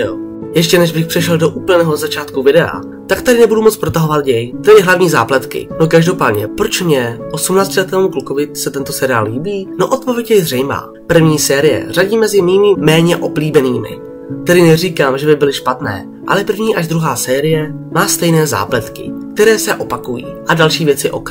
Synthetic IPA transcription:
ojɛʃcɛnɛʒbɪxpr̥ɛʃɛldo̞ʔuːpl̩nɛːɦozat͡ʃaːt̪kuvɪdɛa̰ | t̪akt̪adɪnɛbudumo̞t͡spɾot̪aɦo̞vat̪ɟɛjt̪ɛdɪɦlavɲiːza̰ːplɛt̪kɪ̰no̞kaʒdo̞paːdɲɛ̰pɾo̞t͡ʃmɲɛʔo̞sumnaːt͡scɪlɛt̪ɛːmukluko̞vɪsɛt̪ɛnt̪o̞sɛɾɪa̰ːlliːbiːnoʔo̞t̪̚povjɛɟɛjzrɛjma̰ː | pr̩vɲiːsɛːɾɪjɛ̰r̝aɟiːmɛzɪmiːmɪmɛːɲɛʔo̞bliːbɛniːmɪ̰ | t̪ɛdɪnɛr̝iːkaːmʒɛbɪbɪlɪʃpat̪nɛ̰ː | ʔa̰lɛprvɲiːʔaʒd̪ɾuɦaːsɛːɾɪjɛmaːst̪ɛjnɛːza̰ːplɛt̪kɪ̰k̚t̪ɛɾɛːsɛʔo̞pakujḭːʔadalʃiːvjɛt͡sɪʔo̞̰k

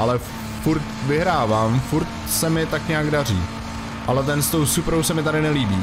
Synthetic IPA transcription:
ʔalɛ | fuɾt̪vɪɦɾaːvaːmfuɾt̪ | sɛmɪt̪akɲaːɡdar̝ḭː | ʔalɛt̪̬ɛnst̪o̞wsupɾowsɛmɪt̪aɾɪnɛliːbiː

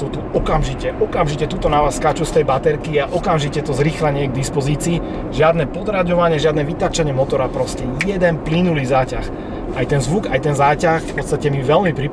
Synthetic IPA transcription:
ut̪uɔkamʒicɛʔɔkamʒicɛt̪uːt̪ɔnaʋaskat͡ʃust̪ɛjbat̪ɛɾkiaʔɔkamʒicɛt̪ɔzɾiːxlaɲɪɛɡ̚d̪ispɔziːt͡siː | ʒɪad̪nɛpɔd̪ɾaɟɔʋaɲɪɛʒɪad̪nɛʋit̪at͡ʃaɲɪɛmɔt̪ɔɾapɾɔscɛjɛd̪ɛnplinulizaːcax | ajt̪ɛnzʋuɡajt̪ɛnzaːcaxfpɔt̪st̪acɛmiʋɛlmipɾi

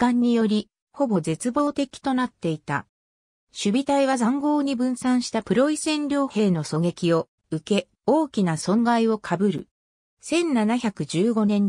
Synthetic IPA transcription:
kãɲ̟ːijo̞ɾʲi | ho̞bo̞ze̞t͡sɨbo̞ːt̪e̞kʲi̥t̪o̞nat̪ːe̞it̪a̰ | ɕɨbʲit̪aiβ̞azãŋɡo̞ːɲ̟ibɯ̟̃ɰ̃sãɰ̃ɕi̥t̪apɯ̟ɾo̞isẽ̞nɾʲo̞ːhe̞ːno̞so̞ɡe̞kʲio̞ | ɯ̟ke̞ | o̞ːkʲinasõ̞ŋɡaio̞kʰabɯ̟ɾɯ̟̰ | sẽ̞nːanaçʲakɯ̟d͡ʑɨːɡo̞nẽ̞ɲ

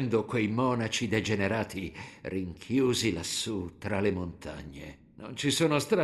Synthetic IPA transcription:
nd̪okwejmɔːnat͡ʃid̪ed͡ʒeneɾaːt̪iriŋkʰjuːzilasːut̪ɾalemont̪ʰa̰ɲːḛ | no̰nt͡ʃisoːnost̪ɾa

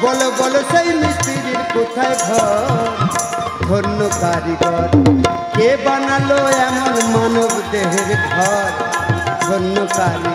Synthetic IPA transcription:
bɔlobɔlosajmist̪iɾiɾkut̪ʰajɡʱɔɾ | d̪ʱɔnːokaɾiɾɔɾ | kebanaloamɔnmanɔbd̪eɦeɾekɡʱɔɾd̪ʱɔnːɔkaɾi

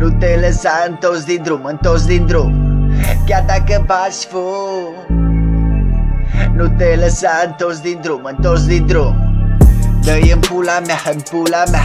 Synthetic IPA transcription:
nut̪eləsaənt̪osd̪ind̪ɾumənt̪osd̪ind̪ɾumkat̪akəpasfo | nut̪eləsaənt̪os̬d̪ind̪ɾumənt̪osd̪ind̪ɾum | d̪əjəmpulamɛhənpulamɛ

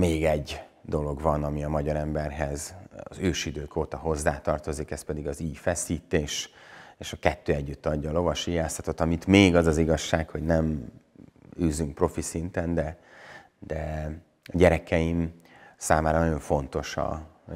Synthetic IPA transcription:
meːɡɛɟː | d̪o̞lo̞ɡvɒnɒmiɒmɒɟɒɾɛmbɛrɦɛzɒzøːʃid̪øːkoːt̪ɒɦo̞zːaːt̪ɒrt̪o̞zikɛspɛd̪iɡɒziːjfɛsiːt̪eːʃeːʃɒkɛt̪ːøːɛɟːyt̪ːɒɟːɒːlo̞vɒʃijaːsɒt̪o̞t̪ːɒmit̪meːɡɒzɒziɡɒʃːaːkho̞ɟnɛm | yːzyŋk̚pro̞fisint̪ɛnd̪ɛ | d̪̥ɛ | ɒɟɛɾɛkɛjimsaːmaːɾɒnɒo̞ɱfo̞nt̪o̞ʃɒ̰

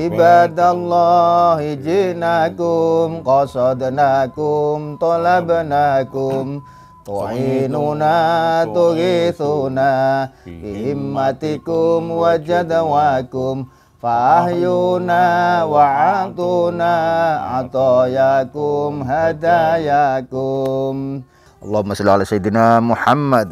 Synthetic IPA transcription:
ʔibad̪alːɔhid͡ʒiʔnakumqɔsɔd̪nakumt̪ɔlabanakum | t̪ɔ̰inunat̪uɾiθunafiɦɪmːat̪ikʊmwad͡ʒad̪awakʊm | faahjunawaʕat̪unaa̰t̪ɔjakʊmɦad̪ajakʊm | ʔɑlˤːɑhmasalalasajid̪namuħamːad̪̚

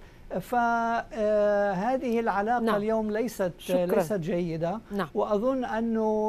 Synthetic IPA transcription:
fa | ɦaːðɪhɪlʕalaːqaljoːmlajsat̪lajsat̪d͡ʒajːɪd̪awɪʔɑðˤʊnːʔanːʊ

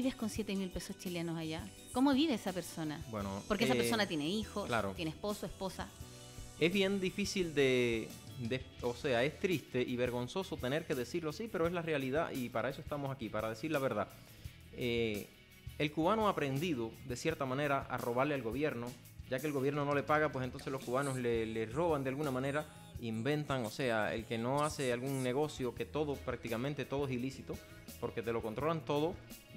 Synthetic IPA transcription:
iβehkonsjet̪emilpe̞sost͡ʃilenosaʝa | komoβiβeesape̞ɾso̞nabwenopoɾkesaesonat̪jeneixotklaɾojenespo̞soesposa̰ | e̞zβje̞nd̪ifisild̪e̞ | d̪eose̞ae̞st̪ɾist̪e̞ʔiβeɾɣo̞nso̞so̞t̪e̞ne̞ɾke̞ðe̞siɾloasipe̞ɾoe̞zlare̞aliða̰ʔipaɾae̞soest̪amosakipaɾaðe̞siɾlaβe̞ɾða | e | elkuβanoaːpɾe̞nd̪iðo̞ðe̞sje̞ɾt̪amãne̞ɾaʔa̰ro̞β̞aɾlealɣo̞βje̞ɾno̞ | ɟ͡ʝakeːlɣoβjeɾno̞no̞le̞paɣapwesent̪o̞nseslo̞skuβano̞slelero̞βand̪ealɣunamãne̞ɾa | iːmbẽ̞nt̪aŋo̞se̞aḛlke̞no̞ase̞alɣuŋne̞ɣ̞o̞sjo̞ke̞t̪o̞ðopɾak̚t̪ikamẽnt̪e̞t̪o̞ðoesilisit̪o̞ | po̞ɾke̞t̪e̞loko̞nt̪ɾo̞lant̪o̞ð̞o̞

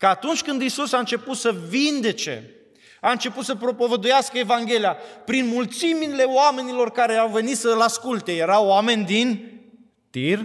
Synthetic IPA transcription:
kəat̪unt͡ʃʲkɨnd̪isusaɨnt͡ʃe̞put̪səvind̪e̞t͡ʃe̞̰ | aɨnt͡ʃe̞put̪səpɾo̞po̞vəd̪ujaskəe̞vaŋɡʲe̞lijapɾinmult̪simile̞oame̞nilo̞rkaɾe̞awve̞nit̪səlaskult̪e̞je̞ɾawame̞nʲd̪in | t̪ir

